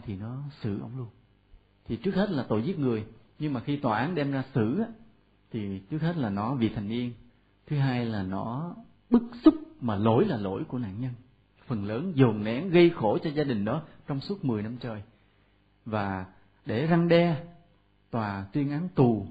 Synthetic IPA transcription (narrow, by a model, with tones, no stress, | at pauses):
t̪ʰi˨˩nɔ˨˦sɨ̰˧˩ʔə̰˧wŋ͡mlu˧ən | t̪ʰi˨˩t͡ɕɨ˦˥ək̚he˦˥t̚laː˨˩t̪o̰˧˩˨jzi˦˥k̚ŋɨ˨˩əjɲɨ˧ŋmaː˨˩xi˧t̪waː˨˩ʔaː˨˦nɗɛ˧mzaː˧sɨ˧˩aː˨˦ | t̪ʰi˨˩t͡ɕɨ˦˥k̚he˦˥t̚laː˨˩nɔ˨˦vḭ˨˩t̪ʰa˨˩jŋni˧ən | t̪ʰɨ˨˦ɦaː˧jlaː˨˩nɔ˨˦ | ɓɨ˦˥k̚sʊ˦˥k͡p̚maː˨˩lo̰˧˩jlaː˨˩lo̰˧˩jku˧˩əna̰ː˧˨nɲə˧n | fə˨˩nləː˨˦nzo˨˩ŋnɛ̰˨˦nɣə˧jxo˧˩t͡ɕɔ˧zaː˧ɗï˨˩ŋ̟ɗɔ˨˦t͡ɕɔ˧wŋ͡msu˦˥ət̚mɨ˨˩əjna˧mt͡ɕəː˨˩j | vaː˨˩ | ɗe˧˩za˧ŋɗɛ˧ | t̪waː˨˩t̪wi˧ənʔa˨˦nt̪u˨˩